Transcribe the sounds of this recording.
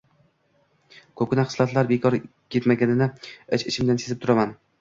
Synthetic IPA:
kʰɵp̚ɡʲɪnaχɨ̥slˠat̪laɾbekʰɒɾkʰʲet̪maɡʲanɪnɪɪt͡ʃɪt͡ʃʰɪmd̪ansezɪpt̪ʰʊɾaman

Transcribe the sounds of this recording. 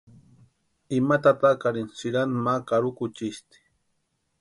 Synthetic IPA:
imat̪at̪akaɾinsiɾanmakaɾukut͡ʃist̪i̥

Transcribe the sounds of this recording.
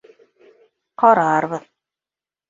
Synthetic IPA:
qɒɾɑɾβɤð

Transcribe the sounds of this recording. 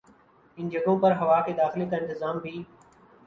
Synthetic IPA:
ɪnd͡ʒɐɡõːpɐɾɦɐʋaːkeːd̪aːxɪlek̪aɪ̃nt̪ɪzaːmbʱiː

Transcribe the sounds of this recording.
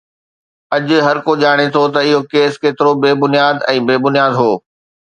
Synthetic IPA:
ɐʄɦɐɾkoʄaːɽ̃et̪ʰot̪ɐɪɦokeːskeːt̪ɪɾobeːbʊnijaːd̪ɛ̃ːbeːbʊnijaːd̪ɦoː

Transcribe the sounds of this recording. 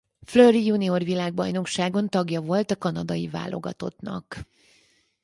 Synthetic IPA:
fløːrijunio̞rvilaːɡ̚bɒjno̞kʃaːɡo̞nt̪ɒɡjɒvo̞lt̪ɒkɒnɒd̪ɒjiva̰ːlʔo̞̰ɡɒt̪o̞t̪nɒ̰k

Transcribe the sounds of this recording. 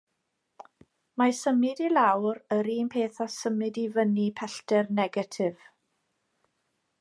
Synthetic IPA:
masəmɪdilawɾəɾiːmpʰeːθɔsəmɨdivənipʰɛɬtɛrnɛɡatʰɪv̥

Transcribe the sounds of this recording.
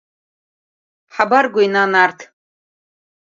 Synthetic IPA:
ħabarɡʷʊinanartʰ

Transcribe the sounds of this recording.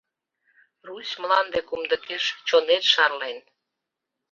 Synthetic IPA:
rusmlɑnd̪ekumd̪əkeʃt͡ɕonet̪ʃɑrlen

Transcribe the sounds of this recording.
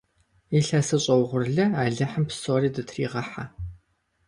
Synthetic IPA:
eːɬɐsɨɕʼɐwʁʷʊrɮɐaːɮɨħəmpsoːriːdɨtʰrḭːʁɐħa

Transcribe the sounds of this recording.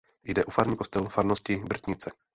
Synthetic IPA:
jdɛʔufaɾmɲikost̪ɛlfaɾnoscɪbr̩t̪ɲɪt͡sɛ

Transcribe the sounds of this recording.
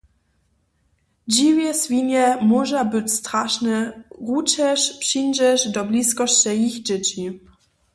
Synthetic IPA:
d͡ʑivʲjɛsfʲiɲɛmɔʐɛbɘt͡ɕst̪ɾaʂnɛɣut͡ɕɛʂpʂijd͡ʑɛʂd̪ɔblʲiskɔɕt͡ɕɛjixd͡ʑɛt͡ɕi

